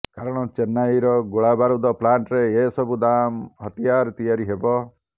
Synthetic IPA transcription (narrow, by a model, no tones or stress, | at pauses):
kaɾɔɽ̃ɔt͡ʃenaiɾɔɡoɭabaɾud̪ɔplaɳʈɾeesɔbud̪amɦɔt̪ijaɾt̪ijaɾiɦebɔ